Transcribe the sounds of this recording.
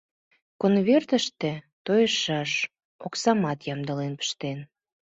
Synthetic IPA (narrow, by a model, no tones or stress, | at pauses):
konβert̪əʃt̪ĕ | t̪ojəʃɑʃ | oksɑmɑt̪jɑmd̪əlenpə̥ʃt̪en